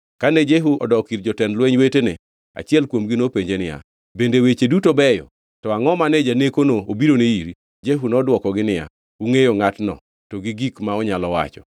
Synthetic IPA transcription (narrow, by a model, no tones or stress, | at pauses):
kanɛd͡ʒeɦuɔdɔkiɾd͡ʒɔtɛnlwɛɲwetenɪ̰ | a̰t͡ʃɪɛlkwomɡɪnopeɲd͡ʒenɪja̰ | bendewet͡ʃedutobɛjɔ̰ | tɔaŋɔmanɛd͡ʒanekonoobiɾoneiɾi | d͡ʒeɦunɔdwɔkɔɡɪnɪja̰ | uŋejoŋatnɔ̰ | tɔɡɪɡikmaɔɲalɔwa̰t͡ʃɔ̥̰